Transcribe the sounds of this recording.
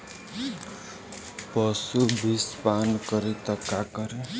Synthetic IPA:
pɔsubʱispankʌɾit̪əkakʌɾi

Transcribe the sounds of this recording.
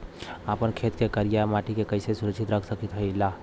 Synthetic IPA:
əpənkʰet̪kekəɾijamaːʈikekəɪsesʊɾəkʃʰit̪ɾəkʰsəkit̪ɦəla

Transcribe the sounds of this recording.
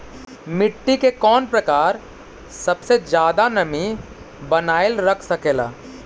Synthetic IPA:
mɪʈːikekɔːnpɾɐkaːɾ | sɐbsed͡ʒjaːd̪anɐmi | bɐnaːɪlɾɐkʰsɐkeːla̰ː

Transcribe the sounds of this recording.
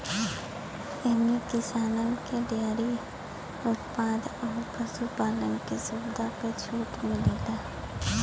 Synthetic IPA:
eɦmekɪsaːnənkeɖeːɾi | ʊt̪paːd̪ɔːɾpəsupaːlənkisʊbd̪ʱapet͡ʃʰuːʈmɪliːd̪aː

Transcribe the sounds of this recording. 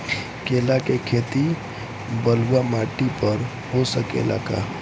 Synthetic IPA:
keːlakekʰeːt̪i | bəluwamaːʈipəɾ | ɦosəkḛla̰ːka̰

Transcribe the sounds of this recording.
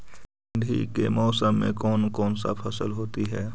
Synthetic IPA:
nd̪ʱḭkemɔːsəmːḛ̃kɔːnkɔːnsa̰pʰəsəlɦoːt̪iɦɛː

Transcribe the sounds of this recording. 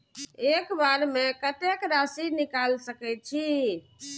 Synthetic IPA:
ekbaɾmekət̪ekɾasinikalsəkɛt͡ʃʰi

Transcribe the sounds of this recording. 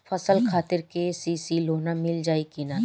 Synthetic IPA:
fʰɐsəlkʰaːt̪ɪɾkesisiːlɦoːnamɪld͡ʒaːikina

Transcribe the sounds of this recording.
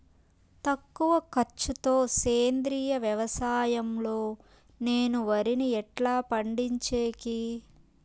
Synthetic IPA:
t̪ɐkːuʋɐkɐt͡ʃːut̪o̞ːseːnd̪ɾiːjɐʋjɐʋɐsaːjɐmlo̞ː | neːnuʋɐɾiniɛʈlaːpɐɳɖiɲt͡ʃeːki

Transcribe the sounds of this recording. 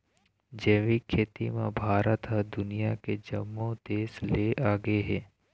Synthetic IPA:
d͡ʒeːʋikʰːeːt̪imẽbʱaːɾət̪ɦəd̪ʊnijaked͡ʒəmːõd̪eːsleʔaːɡəeɦɛː

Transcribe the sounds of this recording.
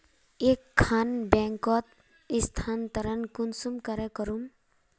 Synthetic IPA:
ekʰːanbɛ̃ŋkɔt̪̚ | ist̪ʰant̪əɾənkunsumkəɾɛkəɾum

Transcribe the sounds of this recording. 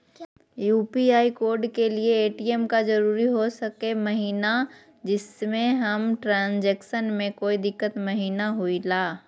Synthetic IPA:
juːpiaːikoːɾɖkelieːʈiemkad͡ʒɐɾuːɾiɦosɐkemɐɦiːna | d͡ʒɪsmẽɦɐmʈɾãːnd͡ʒɛːkʃənmẽkoːid̪ɪkːət̪mɐɦiːnaɦuilaː

